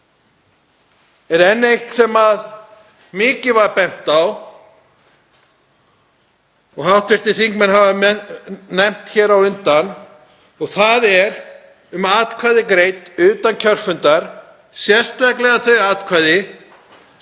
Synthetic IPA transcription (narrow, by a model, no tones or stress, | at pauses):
ɛɾɛnːejht̪sɛmað | mɪːcɪvaɾpɛn̥t̪aw | ɔɣhawt̪vɪr̥t̪ɪθiŋkmɛnɦava | nɛm̥t̪çɛːɾawʏnt̪an | ɔɣθaðɛɾ | ʏmaːt̪kʰvaðɪkɾejt̪ʏːt̪ancʰœr̥fʏnt̪aɾ̥ | sjɛr̥st̪ajklɛɣaθœɥɾaːt̪kʰvaðɪ